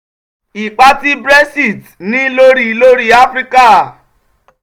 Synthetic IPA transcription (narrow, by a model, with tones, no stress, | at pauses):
i˨k͡pa˦ti˦bɾe˦si˨t | nĩ˦lo˦ɾi˨lo˦ɾi˨a˦fɾi˦ka˦˨